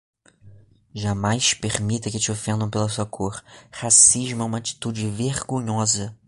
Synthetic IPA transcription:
ʒamajspeɾmit̪ɐkɪt͡ʃɪofẽnd̪ɐ̃w̃pelɐsuɐkʰoɾhasiʒmʊɛũmɐat͡ʃi̥t̪ud͡ʒɪveɾɡõɲɔzɐ

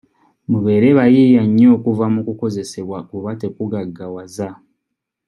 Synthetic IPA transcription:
muβe̞ːɾe̞βajijaɲːo̞ːkuvamukuko̞ze̞se̞βwaʔuβate̞kuɡaɡːawaza

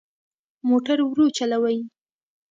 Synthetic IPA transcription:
moʈaɾwɾot͡ʃalawaj

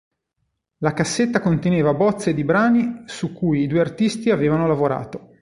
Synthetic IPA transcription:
lakasːet̪ːakont̪eneːvabɔt̪sːed̪ibɾaːnisukːuːjid̪uːeart̪ist̪iaveːvanolavoɾa̰ːt̪o

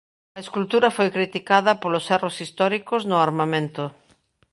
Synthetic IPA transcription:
ɐeskult̪uɾɐfojkɾit̪ikað̞ɐpolʊsɛrosist̪ɔɾikoznʊaɾmamẽnt̪ʊ

